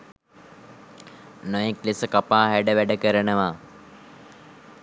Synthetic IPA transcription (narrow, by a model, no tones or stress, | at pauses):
nojeklisəkapaːɦæɖəʋæɖəkəɾənəʋaː